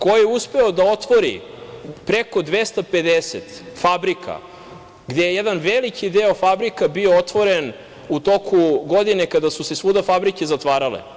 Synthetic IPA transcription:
kojjeuspe̞od̪ao̞t̪ʋo̞ɾḭ | pɾeko̞d̪ʋest̪aped̪eset̪fabɾikʰa̰ | ɡd̪ejejed̪anʋelikid̪eofabɾikabioot̪ʋo̞ɾen | ut̪o̞kʰuɡo̞d̪inekad̪asusesʋud̪afabɾikezat̪ʋaːɾalḛ

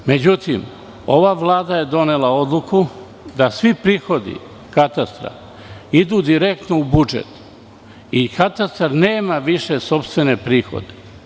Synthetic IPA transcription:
me̞d͡ʑut̪im | o̞ʋaʋlˠaːd̪aje̞d̪o̞nelao̞d̪lˠuku | d̪asʋipɾiːxo̞d̪ḭ | kat̪ast̪ɾa̰ | id̪uːd̪iɾek̚t̪noubud͡ʒḛt̪ | ikat̪ast̪aɾne̞ːmaʋiʃe̞so̞pst̪ʋe̞ne̞pɾiːxo̰d̪e̥

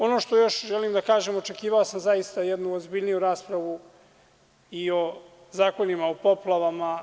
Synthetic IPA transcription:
o̞noʃt̪o̞jo̞ʃʒelimd̪akaːʒemo̞t͡ʃe̞kiːʋaosamzajist̪ajɛd̪nuozbiʎnijuɾaːspɾaʋu | io̞ | zaːko̞nimaopo̞plˠaʋama

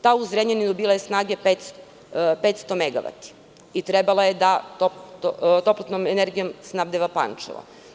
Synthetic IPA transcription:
t̪auzɾeɲenid̪obiːlˠajesnaːɡepet̪s | pet̪st̪omeɡaʋa̰t̪i̥ | it̪ɾebalˠajed̪at̪opt̪ot̪o̞plot̪nomeneɾɡijo̞msnabd̪eʋapa̰nt͡ʃa̰ʋa̰

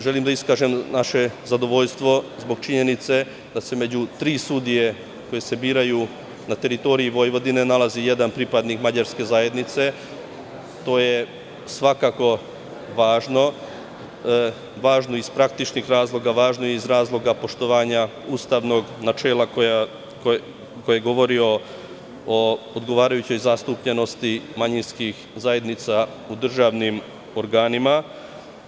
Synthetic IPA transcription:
ʒe̞limd̪aiskaːʒe̞mnaʃe̞zad̪o̞ʋo̞ʎst̪ʋo̞zbo̞ɡt͡ʃiɲe̞nit̪se̞ | d̪ase̞me̞d͡ʑut̪ɾiːsud̪ije̞ | ko̞je̞se̞biːɾaju | nat̪e̞ɾit̪o̞ɾiiʋo̞jʋo̞d̪ine̞nalˠazije̞d̪anpɾipad̪nikmad͡ʑaɾske̞zaje̞d̪nit̪se̞ | t̪o̞ːje̞ | sʋakako̞ | ʋaːʒno̞ | ʋaːʒno̞ispɾak̚t̪it͡ʃnixɾaːzlˠo̞ɡaʋaːʒnojeizɾaːzlˠo̞ɡapo̞ʃt̪o̞ʋaːɲa | uːst̪aʋno̞ɡnat͡ʃeːlˠakoja | o | kojeeɡo̞ʋo̞ɾio̞ | ood̪ɡo̞ʋaːɾajut͡ɕo̞jzast̪upʎe̞no̞st̪imaɲinskix | zaje̞d̪nit̪sa | ud̪r̩ʒaːʋnim | o̞ɾɡaːnima

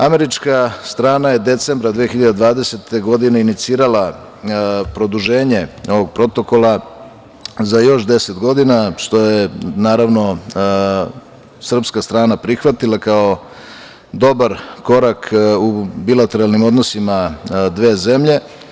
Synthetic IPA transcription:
ame̞ɾit͡ʃkast̪ɾaːnaje̞d̪e̞t̪se̞mbɾad̪ʋiexiʎad̪ed̪ʋaːd̪e̞se̞t̪ʰe̞ɡo̞d̪ineinit̪siːɾala | pɾo̞d̪uʒe̞ːɲe̞o̞ʋoɡ̚pɾo̞t̪o̞ko̞lˠa | zajo̞ʃd̪e̞se̞t̪ɡo̞d̪inaʃt̪o̞jenaːɾaʋno̞ | sr̩pskast̪ɾaːnapɾixʋat̪ilˠakao̞ | d̪o̞baɾko̞ɾakʰubilˠat̪e̞ɾalnimo̞d̪nosimad̪ʋe̞ːze̞mʎe̞

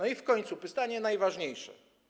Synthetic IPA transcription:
nɔifkɔɲt̪supɨst̪aɲɛnajvaʐɲejʂɛ̰

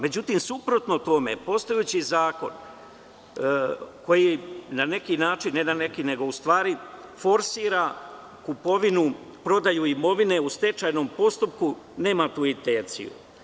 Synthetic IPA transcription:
me̞d͡ʑut̪imsupɾo̞t̪no̞t̪o̞me̞̰po̞st̪ojut͡ɕizaːko̞̰n | ko̞jinane̞kinaːt͡ʃinːenane̞kine̞ɡo̞ust̪ʋaːɾifo̞ɾsiːɾa | kupo̞ʋinu | pɾo̞d̪ajuimo̞ʋine̞ust̪e̞t͡ʃaːjno̞mpo̞st̪upkune̞ːmat̪uːit̪eːt̪sḭjṵ

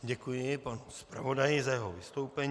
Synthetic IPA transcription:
ɟɛkujɪpanuspɾa̰vo̞dajɪzajɛɦovɪst̪owpɛɲ

